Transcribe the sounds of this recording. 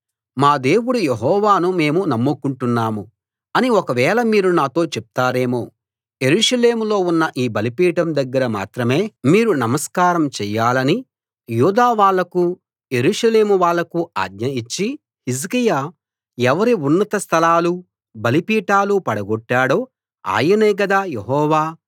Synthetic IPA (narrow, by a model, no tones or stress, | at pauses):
maːd̪e̞ːwuɽujeɦɔːʋaːnume̞ːmunɐmːukuɳʈunːaːmu | ɐniɔkɐʋɛːlɐmiːɾunaːt̪o̞ːt͡ʃɛp̚t̪aːɾe̞ːmoː | je̞ɾuːʂɐle̞ːmulo̞ːunːɐʔiːbɐlipiːʈɐmd̪ɐɡːɐɾɐma̰ːt̪ɾɐme̞ːmiːɾunɐmɐskaːɾɐmt͡ʃɛːjaːlɐni | juːd̪aːʋaːɭːɐku | je̞ɾuːʂɐle̞ːmuʋaːɭːɐkua̰ːd̪ɲɐit͡ʃːi | his̬kijaː | ɛʋɐɾiunːɐt̪ɐst̪ʰɐlaːlu | bɐlipiːʈaːlupɐɽɐɡɔʈːaːɽoː | a̰ːjɐneːɡɐd̪aːjeɦɔːʋaː